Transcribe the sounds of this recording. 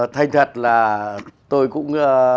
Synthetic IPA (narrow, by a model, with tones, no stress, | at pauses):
t̪ʰa˧jŋ̟t̪ʰə˨˩t̚laː˨˩t̪o˧jkʊ̰˧˥ŋ͡mə˧